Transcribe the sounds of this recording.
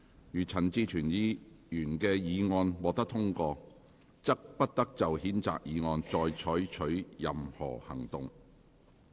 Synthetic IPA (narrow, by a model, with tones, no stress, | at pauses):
jyː˨˩t͡sʰɐ˨˩nt͡siː˧t͡ʃʰyː˨˩njiː˨˧ | jyː˨˩nkɛː˧jiː˨˧ŋɔː˧nwɔː˨k̚t̪ɐ˥k̚t̪ʰʊ˥ŋkɔː˧ | t͡sɐ˥k̚pɐ˥t̚t̪ɐ˥k̚t͡sɐ˨whiː˨˥nt͡sa̰ː˨k̚jiː˨˧ŋɔː˧nt͡sɔː˨jt͡ʃʰɔː˨˥ɥt͡ʃʰɵ˨˥ɥjɐ˨mhɔ̰ː˨˩hɐ̰˨˩ŋt̪ʊ˨ŋ